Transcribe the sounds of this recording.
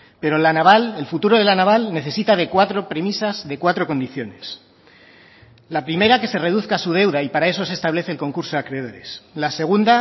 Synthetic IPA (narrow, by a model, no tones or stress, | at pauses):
pe̞ɾo̞lanaβale̞lfut̪uɾo̞ð̞e̞lanaβalne̞θe̞sit̪að̞e̞kwat̪ɾo̞pɾe̞misazðe̞kwat̪ɾo̞ko̞nd̪iθjo̞ne̞s | lapɾime̞ɾake̞se̞re̞ð̞uθkasuð̞e̞wðaipaɾae̞so̞sest̪aβ̞le̞θe̞ːlko̞ŋkuɾso̞akɾeðo̞ɾe̞̰slase̞ɣ̞und̪a